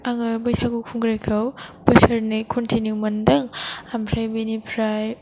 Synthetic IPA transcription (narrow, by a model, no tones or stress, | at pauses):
aŋɯbɐjsʰakukʰuŋɡɾajkʰɐwbɐsɐɾnikʰɔntʰinjumɐndɐŋampʰɾajbinipʰɾaj